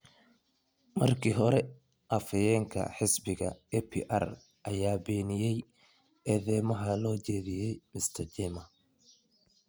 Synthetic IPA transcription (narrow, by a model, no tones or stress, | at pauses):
mɐrkʰiːɦɔɾɛ | ʔɐfɐjɛːŋkʰɐ̰ħɪsbɪɣɐ̰ɛpʰḭʔɐ̰r | ʔɐjaːbɛːnɪjɛj | ɛːðɛːmɐɦɐlɔːt͡ʃɛːðɪjɛjmɪst̪ʰɐd͡ʒɛmɐ